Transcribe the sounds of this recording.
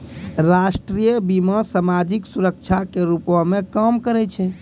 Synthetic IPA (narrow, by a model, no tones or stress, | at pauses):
ɾasʈɾijəbimasamad͡ʒiksuɾək̚t͡ʃʰakeɾupamekəmkəɾɛt͡ʃʰɛ